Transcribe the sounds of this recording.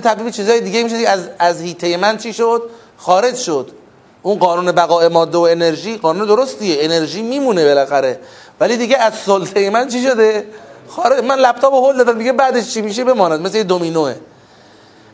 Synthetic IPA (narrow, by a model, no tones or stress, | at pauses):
et̪ʰæbliːbt͡ʃʰiːzɒːjed̪iːɡejimiʃod̪ieæzæzhiːt̪ʰe̞je̞mænt͡ʃʰiːʃod̪̥ | xɒːɾe̞d͡ʒʃod̪̥ | ʔunɢɒːnuːne̞bæɣɒːe̞mɒːd̪ːeoe̞ne̞ɾʒiːɢɒːnuːned̪oɾost̪ieene̞ɾʒiːmiːmune̞belæxæɾe̞ | væliːd̪iːɟeæzsolt̪ʰejemænt͡ʃʰiʃo̞d̪e̞xɒːɾemænlæb̚t̪ʰɒːbohold̪ɒːd̪æmd̪iɟebæːd̪eʃt͡ʃʰimiːʃ̬ebe̞mɒːnæd̪̚meslejed̪omiːnoe